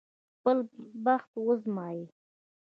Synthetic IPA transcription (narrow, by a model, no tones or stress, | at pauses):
pəlbaxt̪wəzmɑji